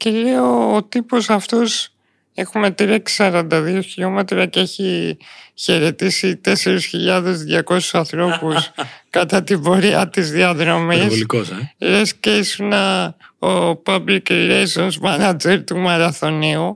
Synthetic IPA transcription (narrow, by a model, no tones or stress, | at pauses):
celeoːt̪ipo̞sɐft̪o̞s | e̞xume̞t̪ɾiɐksɐɾɐnd̪ɐðio̞çiʎo̞me̞t̪ɾɐcee̞çi | çe̞ɾe̞t̪isit̪e̞se̞ɾisçiʎɐðe̞zðʝɐko̞su̥sɐnθɾo̞puskɐt̪ɐt̪ibo̞ɾiɐt̪izðiɐðɾo̞misoikoseɾesceisunɐopɐblikɾejsonzmɐnɐd͡ʒeɾt̪umɐɾɐθo̞neo